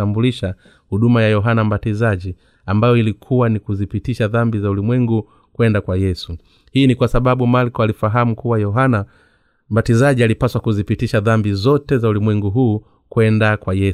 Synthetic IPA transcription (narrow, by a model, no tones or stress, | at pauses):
ambuliʃa | huɗumajajɔɦanambatizaʄi | ambajɔilikʰuwanikuzipitiʃaðambizaulimwɛŋɡu | kwɛndakwajɛsu | hiːnikwasaɓaɓumalkɔalifaɦamukuwajɔɦana | m̩batizaʄialipaswakuzipitiʃaðambizɔtɛzaulimwɛŋɡuɦuː | kwɛndakwajɛ